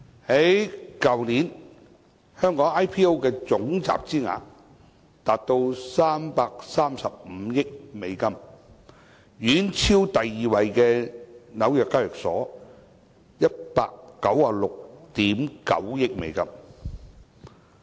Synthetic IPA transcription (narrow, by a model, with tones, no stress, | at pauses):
he˨˥jkɐ˨wniː˨˥n | hœː˥ŋkɔː˨˥ŋaː˥jpʰiː˥o˥wkɛː˧t͡sʊ˨˥ŋt͡sa̰ː˨p̚t͡siː˥ŋa̰ː˨˥n | t̪aː˨p̚t̪o˧wsaː˥mpaː˧k̚saː˥msɐ˨p̚m̩˨˧˦jɪ˥k̚me˨˧jkɐ˥˧m | jyː˨˥nt͡sʰiː˥wt̪ɐ˨jːiː˨wɐ˨˧jkɛː˧nɐ˨˥wjœː˨kːaː˥˩jœː˨k̚sɔ̰ː˨˥ | jɐ˥t̚pa̰ː˧kːɐ˨˥waː˨˩lʊ˨k̚t̪iː˨˥mkɐ̰˨˥wjɪ˥k̚mḛ˨˧jkɐ˥m